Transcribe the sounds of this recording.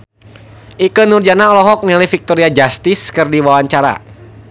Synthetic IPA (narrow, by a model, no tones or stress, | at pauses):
ʔikənurd͡ʒanaɔlɔɦɔk̚nɛlifik̚t̪ɔɾiad͡ʒast̪ɪskɨrdiwawaɲt͡ʃaɾa̰